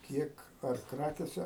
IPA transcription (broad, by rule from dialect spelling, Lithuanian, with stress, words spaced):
ˈkʲiɛk ɐr ˈkrɑːkʲeːsʲɛ